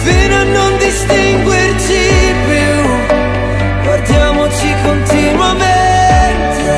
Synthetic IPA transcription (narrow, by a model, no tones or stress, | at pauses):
finoanːond̪ist̪iŋɡwirt͡ʃip | u | ɡward̪jaːmot͡ʃikont̪inwament̪e